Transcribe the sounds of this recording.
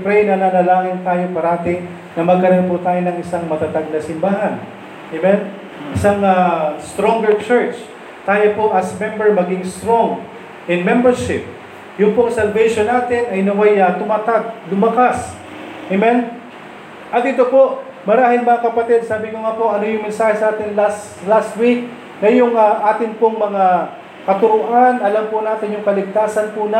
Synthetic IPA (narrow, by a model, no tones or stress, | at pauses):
pɾɛjnɐnanɐlaːŋɪnt̪aːjopɐɾɐat̪ɪŋ | nɐmɐɡ̚kɐɾonpʊt̪aːjonɐŋɪsaŋmɐt̪ɐt̪aɡ̚nɐsɪmbaːɦɐn | mɛn | ʔɪsaŋast̪ɾoŋɡɛɹt͡ʃɛɹt͡ʃ | t̪aːjopoʔɐsmɛmbɛɹmɐɡɪŋst̪ɾoŋ | ɪnmɛmbɛɹʃɪp̚ | jʊŋpoŋsɐlbɛʃonaːt̪ɪnɐjnɐwajɐt̪ʊmat̪aɡ̚lʊmɐkas | ʔemɛn | ʔɐt̪d̪it̪opo̞ʔ | mɐɾaːhɪŋmɐŋakɐpɐt̪ɛd̪̚saːbɪŋoŋaːpo̞ʔɐno̞jʊŋmɪnsaːhɛsʔaːt̪ɪnlas | last̪wik̚ | nɐjʊŋɐʔaːt̪ɪnpoŋmɐŋa | kɐt̪ʊɾʊʔanʔɐlampʊnaːt̪ɪnjʊŋkɐlɪɡ̚t̪aːsɐnpʊna